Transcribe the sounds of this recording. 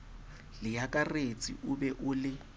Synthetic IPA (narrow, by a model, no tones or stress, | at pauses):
lɪjakʼaret͡sʼḭʔʊbɛʔʊlɪ